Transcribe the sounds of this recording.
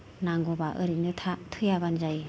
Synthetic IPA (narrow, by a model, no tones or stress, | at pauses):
naŋɡɔbaʔɯɾinɯtʰatʰɯjabanzaj